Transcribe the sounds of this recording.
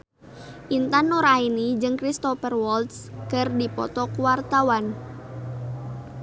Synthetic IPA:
ʔint̪anɔɾainid͡ʒɨŋkɾist̪ɔfərwɔlt̪skɨrdipɔ̰t̪ɔkuwart̪awan

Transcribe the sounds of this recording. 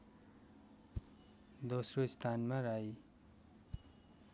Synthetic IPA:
d̪osroist̪ʰanmaɾaj

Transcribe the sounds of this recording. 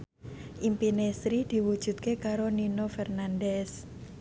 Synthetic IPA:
ʔimpinesɾid̪̥i̤wu̥ʒ̥ṳt̪̚kekaɾoninofɛrnandɛs

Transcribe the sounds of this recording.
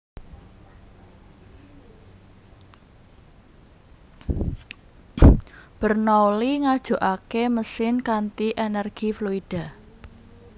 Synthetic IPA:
b̥ərnɔoliŋad̥ʒ̥ṳʔakeməsɪnkant̪iʔenɛrɡ̥ifluid̥a̤

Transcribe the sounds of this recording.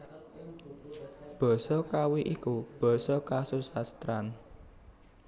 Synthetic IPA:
b̥ɔ̤sɔkawiʔikub̥ɔ̤sɔkasusast̪ɾan

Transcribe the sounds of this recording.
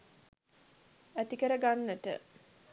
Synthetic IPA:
æt̪ikəɾəɡanːəʈə̰

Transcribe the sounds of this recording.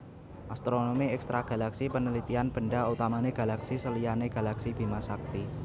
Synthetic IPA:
ʔast̪ɾonomiɛkst̪ɾaɡ̥a̤laksipənəlit̪ianb̥əɳɖaut̪amaneɡ̥a̤laksisəlijaneɡ̥a̤laksid̪̥i̤masak̚t̪i

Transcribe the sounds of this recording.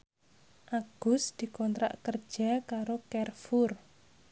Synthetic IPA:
ʔaɡ̥ʊ̤sd̪̥i̤kɔnt̪ɾa̰ʔkər̥ʒ̥a̤kaɾokɛrfur

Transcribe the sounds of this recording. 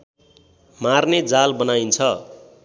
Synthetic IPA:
marned͡zalbʌnajnt͡sʰʌ

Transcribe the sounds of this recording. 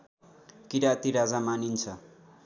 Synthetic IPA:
kiɾat̪iɾad͡zamanint͡sʰʌ

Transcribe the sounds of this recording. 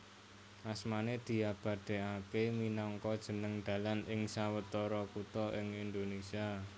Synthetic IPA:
ʔasmaned̪̥i̤ab̥a̤d̪̥e̤akeminɔŋkɔd̥ʒ̥ə̤nəŋd̪̥a̤lanɪŋsawət̪ɔɾɔkut̪ɔʔɪŋind̪onesia

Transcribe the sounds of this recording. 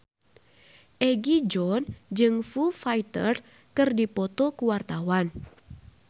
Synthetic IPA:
ʔɛɡid͡ʒɔnd͡ʒɨŋfufajt̪ə̰r | kɨrdipɔt̪ɔkuwart̪awan

